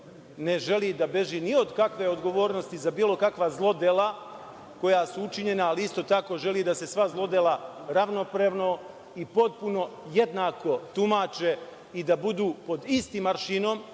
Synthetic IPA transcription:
ne̞ʒe̞lid̪abe̞ʒinio̞d̪kakʋe̞od̪ɡo̞ʋo̞ːɾno̞st̪izabiːlˠo̞kakʋazlˠo̞d̪elˠa | ko̞jasuut͡ʃiɲe̞naːliist̪o̞t̪ako̞ːʒe̞lid̪ase̞sʋazlˠo̞d̪elaɾaʋno̞pɾeʋno̞ | ipo̞t̪̚puno̞je̞d̪nako̞t̪umaːt͡ʃe̞ | id̪abud̪uːpo̞d̪ist̪iːmaɾʃinom

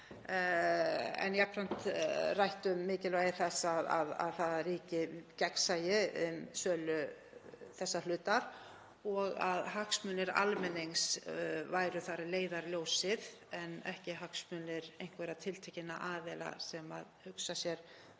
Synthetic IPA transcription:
ɛ̰njakʰɾan̥t̪rajht̪ʏmːɪːcɪlvajɪɾ̥θɛsːaða̰ða̰ðθaðaɾiːcɪcɛksajɪʏmsœːlʏ | θɛsːalʏːt̪aɾ̥ | ɔɣaðɦaksmʏːnɪɾa̰lmɛnejŋsvajɾʏθaɾɪleːjðaɾljoːwsɪð | ɛnɛhcɪɦaksmʏːnɪɾejŋ̥kveːɾat̪ʰɪlt̪ʰɛhcɪnːaʔaːvɛla̰sɛma̰ðhʏksasjɛɾ̥

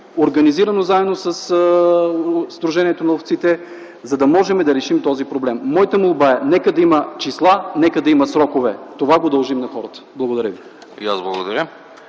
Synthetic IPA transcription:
oɾɡɐniziɾɐnozaɛd̪nosəs | zd̪ɾuʒɛniɛt̪onɐoft̪sit̪ɛ | zɐd̪ɐmɔʒɛmɛd̪ɐɾɛʃimt̪ɔzipɾoblɛmːɔjt̪əmulˠbaɛnɛkəd̪ɐimɐt͡ʃislˠanɛkəd̪ɐimɐsɾɔkovɛt̪ovaɡod̪ɐlˠʒimnɐxɔɾət̪ə̥blˠɐɡod̪ɐɾəvi | ḭazblˠɐɡod̪ɐɾʲə

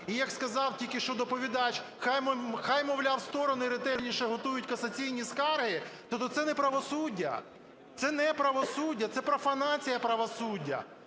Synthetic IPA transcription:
ijɐkskɐzɑwtʲilʲkɪʃt͡ʃɔd̪ɔpɔʋʲid̪ɑt͡ʃxajmxajmɔʋlʲawst̪ɔɾɔnʊiɾet̪ɛɾʲnʲiʃɛɦɔt̪ujʊtʲkɐsɐt͡sʲijnʲiskɑrɦɪt̪ɔt̪ɔt̪sɛnɛpɾɐʋɔsudʲːɐ̰ | t̪sɛnɛpɾɐʋɔsudʲːɐt̪sɛpɾɔfɐnɑt͡sʲijɐpɾɐʋɔsudʲːɐ̰

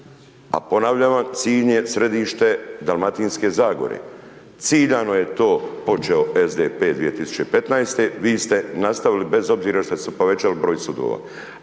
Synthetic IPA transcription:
a̰po̞naʋʎaʋamt̪siːʎɲe̞sɾe̞d̪iːʃt̪e̞d̪alˠmat̪inske̞zaːɡo̞̰ɾḛ | t̪siːʎano̞je̞t̪o̞ːpo̞t͡ʃeoezd̪epe̞ːd̪ʋije̞t̪isu̥t͡ɕe̞pe̞t̪najst̪e̞ʋiːst̪e̞nast̪aʋilibe̞zo̞bziːɾaʃt̪ot̪esepo̞ʋe̞t͡ɕalibɾo̞ːjsud̪o̰ːʋa̰

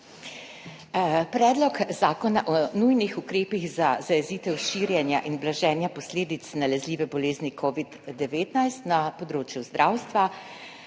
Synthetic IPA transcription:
pɾɛːd̪lɔkzaːkɔnaʔɔnujnixukɾeːpiɣzazajɛziːt̪ɛwʃiːɾjɛnjaʔinblaʒɛːnjapɔsleːd̪it̪snalɛzliːʋɛbɔleːznikʰoːʋid̪ːɛʋeːt̪najst̪napɔd̪ɾoːt͡ʃjuzd̪ɾʔaːwst̪ʋa

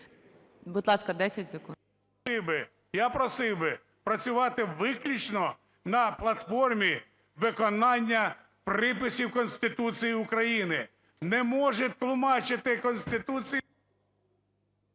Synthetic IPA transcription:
bʊd̪lˠɑskɐd̪ɛsʲɐtʲsʲɪku | ɪwbɪ | japɾɔsɪwbɪ | pɾɐt͡sʲʊʋɑt̪ɪʋɪklʲit͡ʃnɔ | nɐplˠɐt̪fɔrmʲi | ʋɪkɔnɑnʲːɐ | pɾɪpɪsʲiwkɔnsʲt̪ɪt̪ut͡sʲijiʊkɾɐjinɪ | nɛmɔʒɛt̪lˠʊmɑt͡ʃɪt̪ɪkɔnʲsʲt̪ɪt̪ut͡sʲi

